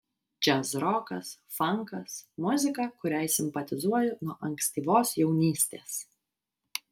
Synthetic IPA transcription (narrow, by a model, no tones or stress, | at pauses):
d͡ʒʲæsɾɔːkɐs | fɐŋkɐsmʊzʲɪkɐkʊɾʲɛɪsʲɪmʲpɐt̪ʲɪzuɔjʊnuɔʔɐŋksʲt̪ʲiːʋoːsjɛʊnʲiːsʲt̪ʲeːs